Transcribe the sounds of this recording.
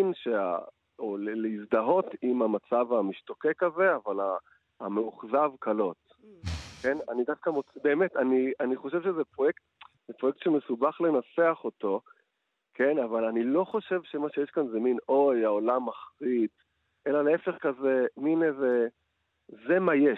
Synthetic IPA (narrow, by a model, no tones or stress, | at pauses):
inʃea̰ | oleleizd̪aɦo̞timamat͡savamiʃto̞kekaze̞avala | ameuχzavkalo̞t̪ | kena̰nidafkamot͡sbeːmetanianiχo̞ʃ̬evʃezepʁojekt | z̥epʁojek̚t̪ʃeme̞subaχle̞nat͡seaχo̞to̞ | kʰe̞navalanilo̞χo̞ʃe̞vʃemaʃejeʃkanzemino̞jaolamːaχʁid̪ | ʔe̞laleefe̞χkazeminze | zemaje